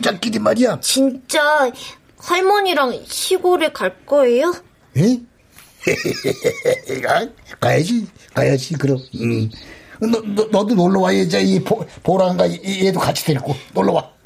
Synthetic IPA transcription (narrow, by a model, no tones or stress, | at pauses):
t͡ɕ͈ak͈idimaɾijat͡ɕint͡ɕ͈a | hʌɭmʌɲiɾaŋɕʰiɡoɾɯɭkaɭk͈ʌe̞jo | e | akajad͡ʑikajad͡ʑikɯɾʌɯ | nnʌdunoɭːʌwajed͡ʑaipopoɾaŋɡaedokat͡ɕʰi̥deɭk͈onoɭːʌwa